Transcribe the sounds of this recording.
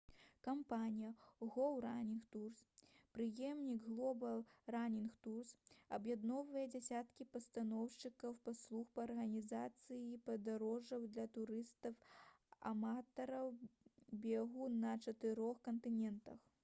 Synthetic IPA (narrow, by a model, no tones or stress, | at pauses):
kampanʲijɐɣɔwɾanʲinxt̪urspɾɨjɛmnʲiɡɣlˠɔbɐlˠranʲinxt̪ursɐbjad̪nɔvɐjɐd͡zʲasʲat̪kʲipɐst̪anɔwʂt͡ʂɨkɐwpaslˠuxpɐːrɣɐnʲizat̪sɨjipɐd̪aɾɔʐɐwd̪lʲɐt̪uɾɨst̪ɐw | a̰mat̪ɐɾɐwbʲɛɣunɐt͡ʂɐt̪ɨɾɔxkɐnt̪ɨnʲɛnt̪ɐx